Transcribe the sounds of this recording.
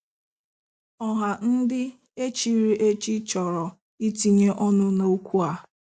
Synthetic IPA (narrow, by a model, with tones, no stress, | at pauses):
ɔ˦ɦa˨n̩˦dɪ˦ | e˦t͡ʃi˦ɾi˦ʔe˦t͡ʃi˦t͡ʃɔ˨ɾɔ˨ | i˦ti˦ɲe˦ʔɔ˦nʊ˦no˦o˦kʷu˦a˨